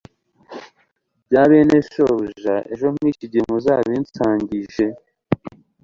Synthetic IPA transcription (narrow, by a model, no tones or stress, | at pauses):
bɟaːβeneʃoʒaʔe̞̰ʒo̞miːciɟimuzaβiːnt͡saːɲɟiʒe